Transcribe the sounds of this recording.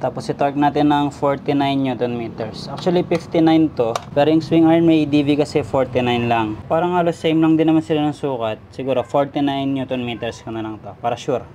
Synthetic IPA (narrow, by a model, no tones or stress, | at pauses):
t̪aːposɪt̪ok̚naːt̪ɪnːɐŋfoɹt̪ɪnajnːɲut̪onmit̪ɛɹsʔak̚t͡ʃʊɐlipɪft̪inajnt̪o̞pɛːɾojʊŋswiŋaɹnmɛjd̪iːvikɐsɛfoɹt̪ɪnajnlɐŋpaːɾɐŋaːlosːejmlɐŋd̪ɪnːɐmansɪlanɐŋsuːkɐt̪̚sɪɡuːɾofoɹt̪ɪnajnːuːt̪onmiːt̪ɛɹskɐnɐlɐŋt̪o̞paːɾɐʃuɾ